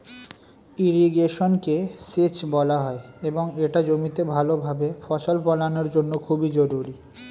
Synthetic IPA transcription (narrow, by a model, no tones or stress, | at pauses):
iɾiɡeʃonkeset͡ɕbɔlaɦɔeeboŋeʈad͡ʑomit̪ebʱalobʱabefɔʃolpɔlanoɾd͡ʑonːokʰubid͡ʑɔɾuɾi